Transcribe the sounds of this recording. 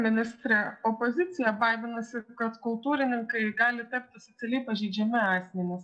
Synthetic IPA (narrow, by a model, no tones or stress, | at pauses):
mʲɪnʲɪst̪ʲɾʲɛopozʲɪt̪sʲɪjɛbɑːɪʋʲɪnɐsʲɪkɐt̪kʊlˠt̪uːɾʲɪnʲɪŋkɐɪɡɑːlʲɪt̪ɐp̚ʲt̪ʲɪsot̪sʲɛlʲɛɪpɐʒʲɛɪd͡ʒʲɛmʲɪɑːsʲmʲɛnʲɪs